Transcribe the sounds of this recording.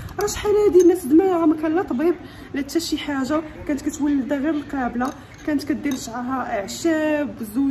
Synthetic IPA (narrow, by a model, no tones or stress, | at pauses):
ɾˤɑʃħalæhæd̪inːæsd̪mæjæɣæmækænlɑt̪ˤbib | læt̪ʰːæʃiħaʒakænət̪kæt̪wəlːid̪æɣəbəlqɑbla | kænət̪kæd̪ːəɾʃʕaɦæʔəʕʃæbzu